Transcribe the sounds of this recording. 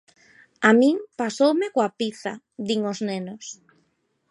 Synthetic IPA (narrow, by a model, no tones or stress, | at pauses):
amĩŋpasowmekoapiθa̰ | ðiŋoznenos